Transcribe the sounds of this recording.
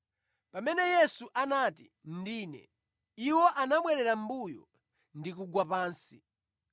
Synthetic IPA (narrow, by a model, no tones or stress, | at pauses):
pamɛnɛjɛsuʔanatḭ | ndiːnɛ̰ | iwɔʔanaɓwɛɾɛɾambujɔ | ndik̬uɡwapaːnsi